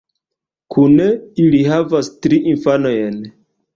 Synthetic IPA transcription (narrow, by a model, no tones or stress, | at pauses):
kʰuneiliɦavastɾiʔinfano̞jen